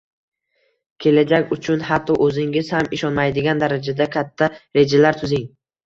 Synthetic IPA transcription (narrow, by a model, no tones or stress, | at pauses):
kʲʰe̞lad͡ʒakʲʊt͡ʃʰʊnhat̪ʰːɒʔɵzɪŋɪz̥hamɪʃɒnmajd̪ɪɡʲand̪aɾad͡ʒad̪akʲʰat̪ʰːaɾe̞d͡ʒalaɾt̪ʰʊzɪŋ